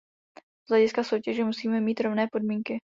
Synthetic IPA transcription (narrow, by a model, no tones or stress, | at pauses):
z̥lɛɟɪskaso̞wcɛʒɛmusiːmɛmiːt̪ɾo̞vnɛːpo̞dmiːŋkɪ